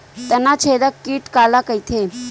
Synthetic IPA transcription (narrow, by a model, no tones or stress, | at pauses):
t̪ənat͡ɕʰed̪akiːʈkalakəjt̪ʰe